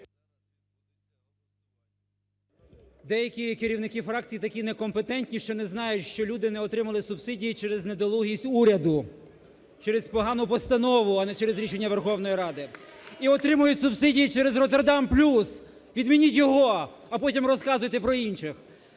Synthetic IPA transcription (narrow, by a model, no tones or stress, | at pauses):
d̪ɛjɐkʲikeɾʲiwnɪkɪfɾɑk̚t͡sʲijit̪ɐkʲinekɔmpet̪ɛnʲtʲnʲiʃt͡ʃɔnɛznɑjʊtʲʃt͡ʃɔlʲud̪ɪnɛɔt̪ɾɪmɐlˠɪsʊbsɪdʲijit͡ʃɛɾɛzned̪ɔlˠuɦʲisʲtʲuɾʲɐd̪ʊ | t͡ʃɛɾespɔɦɑnʊpɔst̪ɐnɔʋʊɐnɛt͡ʃɛɾezɾʲiʃenʲːɐʋerxɔwnɔjiɾɑd̪ɪiɔt̪ɾɪmʊjʊtʲsʊbsɪdʲijit͡ʃɛɾɛzrɔt̪erd̪ɑmplʲus | ʋʲid̪mʲinʲitʲjɔɦɔ | ɐpɔtʲimrɔskɑzʊjt̪ɛpɾɔinʃɪx